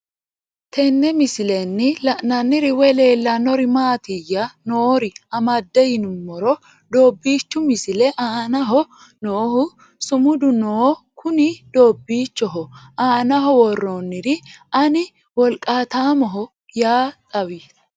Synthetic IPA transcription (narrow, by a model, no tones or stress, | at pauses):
t̪ʰɛnːɛmɪsɪlɛnːɪlɐʔnɐnːɪɾɪwɛle̞ːlːɐnɔɾɪmaːt̪ɪjːɐnoːɾɪɐmɐd̪ːɛjɪnʊmːɔɾɔ | d̪o̞ːbːiːt͡ʃːʊmɪsɪlɛʔaːnɐɦɔ | noːhʊ | sʊmʊd̪ʊnoːkʰʊnɪd̪̥oːbːiːt͡ʃːɔɦɔʔaːnɐɦɔwɔrːonːɪɾɪɐnɪ | wɔlkʼːaːt̪aːmɔɦɔ | jaːt̪ʼɐwi